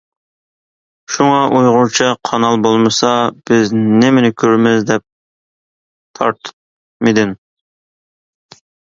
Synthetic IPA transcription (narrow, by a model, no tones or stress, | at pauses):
ʃuŋɑʔujʁʊɾt͡ʃʰɪqʰɑnɑlˠbolˠmɨsɑb̥ɪznɪmɪnɪkʲʰøɾmɪzd̪ɛp̚ | t̪ʰɑɾt̪ʰɨ̥p̚ | mɪd̪ɪn